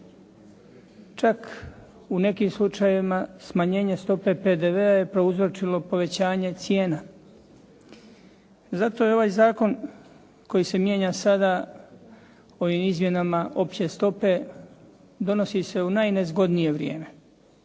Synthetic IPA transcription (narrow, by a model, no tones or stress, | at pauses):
t͡ʃak | une̞kiːmslˠut͡ʃajeʋimasmaɲe̞ːɲe̞st̪o̞pe̞pe̞d̪eʋe̞aje̞pɾo̞uzɾot͡ʃilo̞po̞ʋe̞t͡ɕaːɲe̞t̪sjeːna | zat̪o̞jeo̞ʋajzaːko̞n | ko̞jise̞mje̞ːɲasad̪a | o̞ʋimizmje̞namaʔo̞pt͡ɕe̞st̪o̞pe̞ | d̪o̞nosise̞unajne̞zɡo̞d̪nije̞ʋɾjḛːme̞